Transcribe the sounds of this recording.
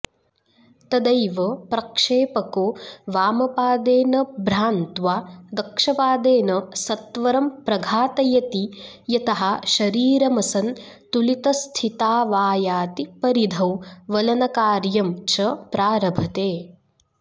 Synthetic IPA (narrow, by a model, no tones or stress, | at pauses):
t̪ɐd̪ɐjʋɐpɾɐkʂeːpɐkoːʋaːmɐpaːd̪eːnɐbʱɾaːnt̪ʋaːd̪ɐkʂɐpaːd̪eːnɐsɐt̪ʋɐɾɐmpɾɐɡʱaːt̪ɐjɐt̪i | jɐt̪ɐɦɐʃɐɾiːɾɐmɐsɐn | t̪ulit̪ɐst̪ʰit̪aːʋaːjaːt̪ipɐɾid̪ʱɐwʋɐlɐnɐkaːɾjɐmt͡ʃʰɐpɾaːɾɐbʱɐt̪eː